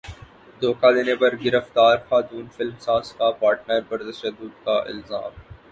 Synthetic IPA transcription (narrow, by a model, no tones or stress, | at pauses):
d̪oːkad̪eːnepɐɾɡɪɾəft̪aːɾxaːt̪uːnfɪlmsaːzkaːpaːɾʈnaɾbɐɾt̪ɐʃəd̪ːʊd̪kaʔɪ̰lza̰ːm